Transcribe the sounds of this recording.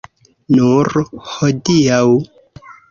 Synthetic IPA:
nuɾhodiaw

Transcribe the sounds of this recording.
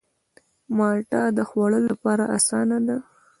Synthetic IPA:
mɑʈɑd̪əxwaɽəlːapɑɾaʔasɑnad̪a

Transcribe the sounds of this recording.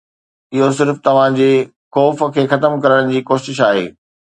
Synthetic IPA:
ɪɦos̬ɪɾft̪ɐʋ̤ãd͡ʑeː | xɔːfə̆kʰeːxɐt̪əmkɐɾəɽ̃d͡ʑiːkoːʃɪʃaːɦḛː

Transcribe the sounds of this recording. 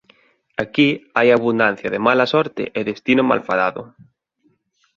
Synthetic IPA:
akiajaβund̪an̟θjaðemalasɔɾt̪ḛʔeðest̪inoma̰lfaðaðʊ̰

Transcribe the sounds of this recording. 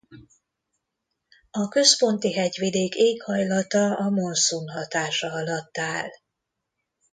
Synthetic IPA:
ɒkø̞spo̞nt̪iɦɛɟʋid̪eːkeːkhɒjlɒt̪ɒɒmo̞nsunɦɒt̪aːʃɒɒlɒt̪ːaːl

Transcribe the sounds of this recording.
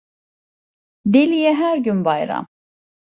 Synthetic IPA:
d̪ilʲijɛɦæɾɡʲynbɑjɾa̰m

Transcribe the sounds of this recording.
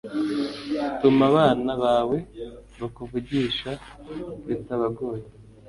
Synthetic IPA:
tumaβaːnaβaːwe̞βakuvuɟiːʃa | βitaβaɡo̞ːje

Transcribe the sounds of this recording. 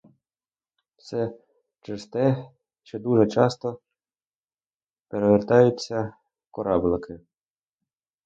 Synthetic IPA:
sɛ | t͡ʃɪst̪ɛ | t͡ʃɛd̪uʒɛt͡ʃɑst̪ɔ | peɾeʋert̪ɑjʊt͡sʲːɐ | kɔɾɑblˠɪkɪ

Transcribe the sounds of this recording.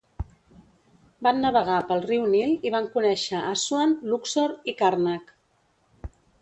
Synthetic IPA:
banːəβəɣ̞apəlˠriwnilˠiβaŋkunɛʃəʔaswanluksoɾikarnak

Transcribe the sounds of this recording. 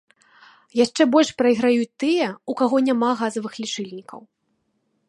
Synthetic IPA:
jaʂt͡ʂɛbɔlʲʂpɾɐiɣɾajut͡sʲt̪ɨjɛukaɣɔnʲamaɣazɐvɨxlʲit͡ʂɨlʲnʲikɐ̰w

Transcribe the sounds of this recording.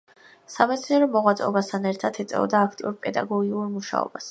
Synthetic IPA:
samɛt̪sʰniɛɾɔmɔʁwat̪sʼɛɔbast̪ʰanɛɾt̪ʰat̪ʰit̪sʼɛ̰ɔ̰d̪aːkʰt̪ʼiuɾpʼɛd̪a̰ɡɔɡiuɾmuʃa̰ɔ̰bas

